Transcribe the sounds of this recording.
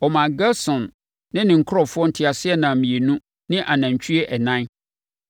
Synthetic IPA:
ɔ˨mã˨ɡɛ˦sɔ̃˨nː | ɪ̃˦nɪ̃˨ŋ̩˨kʰʊ˦ɾɔ˨fʊ˦ɔ˦n̩˦tʰɪ˨a˨sɪ˦ɛ˦˨nã˨m̩˨mĩ˨e˨nũ˦ | nɪ̃˦ʔa˨nã˨ɲ˨t͡ɕʰᶣy˦e˦ʔɛ˨nã˦n

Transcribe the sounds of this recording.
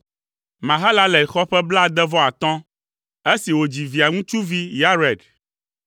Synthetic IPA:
mã˨ɦa˦la˦lɛ˨xɔ˦ɸɛ˦bla˦˨d̪ɛ˦vɔ˦a˨t̪ɔ̃˦ | e˦si˨wo˨d͡ʑi˨vi˨a˨ŋũ˦t͡ʃu˦vi˦ja˦ɾɛ˨ɖ

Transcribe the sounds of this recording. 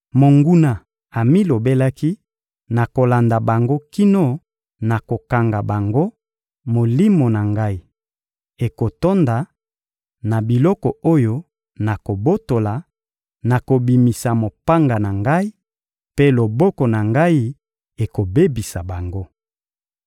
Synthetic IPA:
mo˨ŋɡu˦na˨ | a˨mi˦lo˨be˦la˦ki˦ | na˨ko˨la˨nda˨ba˨ŋɡo˦ki˦no˦ | na˨ko˨ka˨ŋɡa˨ba˨ŋɡo˦ | mo˨li˦mo˨na˨ŋɡa˦i˦ | e˨ko˨to˦nda˨ | na˨bi˨lɔ˦kɔ˨o˦jo˦ | na˨ko˨bo˦to˨la˨ | na˨ko˨bi˨mi˨sa˨mo˨pa˦ŋɡa˨na˨ŋɡa˦i˦ | pe˦lo˨bɔ˦kɔ˨na˨ŋɡa˦i˦ | e˨ko˨be˦bi˨sa˨ba˨ŋɡo˦

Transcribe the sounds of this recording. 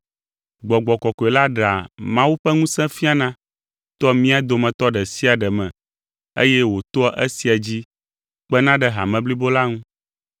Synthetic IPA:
ɡ͡bɔ˨ɡ͡bɔ˨kɔ˨kɔ˨e˨la˦ɖa̰˨mã˦wu˦ɸɛ˦ŋũ˦sɛ̃˦fi˦a˨nã˦ | t̪ɔ˦mĩ˦a˦d̪o˨mɛ̃˨t̪ɔ˦ɖɛ˨si˦a˨ɖɛ˨mɛ̃˨ | ḛ˦jɛ˦wo˨t̪o˦ɔ˦ʔe˦si˨a˨d͡ʑi˦ | k͡pɛ˦nã˦ɖɛ˨ɦa˨mɛ̃˨bli˦bo˦la˦ŋũ˦

